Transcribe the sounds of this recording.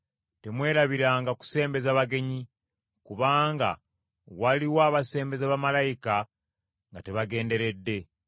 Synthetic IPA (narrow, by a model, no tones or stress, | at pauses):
temwe̞ːɾaβiɾaːŋɡaku̥se̞ːmbe̞zaβaɡe̞ɲi | kuβaːŋɡa̰ | waliwaːβase̞ːmbe̞zaβamalajika | ŋɡate̞βaɡe̞ːnde̞ɾe̞dːe̞